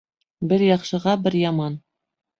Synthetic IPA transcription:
bɘɾjɑqʃɤ̆ʁɑbɘɾjɑmɑn

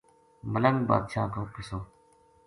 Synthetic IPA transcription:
mələŋba̰ːd̪ʃaːkoːkɪsoː

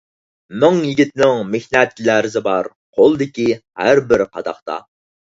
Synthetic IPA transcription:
mʊŋjiɡʲit̪ʰɪnɪŋmehnɛt̪læɾɪzɪbɑɾ | qʰolˠd̪ɪkʲihæɾbɪɾqʰɑd̪ɑχt̪ɑ̰

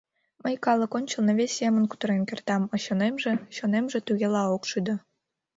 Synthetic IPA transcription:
məjkɑlˠɤ̆konʲt͡ɕə̆lnɤ̆βʲesʲjemə̆nku̥t̪əɾenkʲert̪ɑmɤ̆ɕonemʒĕɕonemʒĕt̪yɣʲelɑokʃyd̪ɤ̆

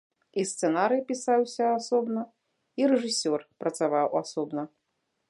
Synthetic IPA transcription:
ist̪sɛnaɾɨpʲisawsʲɐasɔbnɐ | iɾɛʐɨsʲɔrpɾɐt̪savawasɔbnɐ

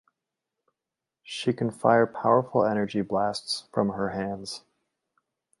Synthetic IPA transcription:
ʃikʰn̩faɪə˞pʰaʊə˞fl̩ˠɛñə˞d͡ʒiblæstsfɹʌ̃mə˞ɦæ̃ndz̥

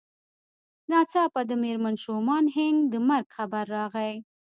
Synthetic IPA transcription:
nɑt͡sɑpad̪əmeɾmanʃomɑnɦɪŋɡd̪əmaɾɡxabaɾːɑɣaj

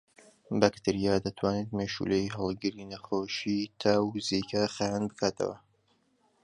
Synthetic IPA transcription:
bɐkt̪ʰɨɾijaːd̪ɐt̪ʰwaːneːt̪meʃṵlejɦɑlˠɡɨɾinɐxoːʃit̪ʰaːwzikʰaxajaːnbɨkʰaːt̪ʰɐ̰wɐ̰

